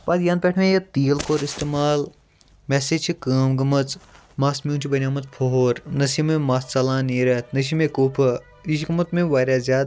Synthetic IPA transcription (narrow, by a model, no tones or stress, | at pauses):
baːd̪jaːnpʲeʈʰmẽjɐt̪iːəlkoːɾist̪eːmaːl | meːset͡ʃʰikəːmɡɐmɐt͡s | maːsmʲjũːt͡ʃʰibɐnʲjaːmɐt̪̚pʰoɦoːɾnɐsimẽmaːst͡sɐlãːneːɾɐt̪ʰnɐʃ̬imẽkuːpʰɐ | iʃikɐmɐt̪mẽʋaːɾʲaːzʲjaːd̪